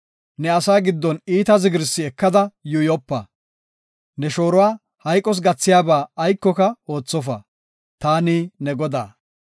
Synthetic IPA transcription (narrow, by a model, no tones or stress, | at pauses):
nɛɐsaːɡɪd̪ːɔniːt̪ɐzɪɡɪɾsːɪɛkːɐd̪ɐjʊjɔpːɐ | nɛʃo̞ːɾɔwaː | hɐjkʼːɔs̬ɡɐt͡sːɪjaːbaːjkːɔkɐo̞ːt͡sːɔfɐ | t̪aːniːnɛɡɔd̪a̰ː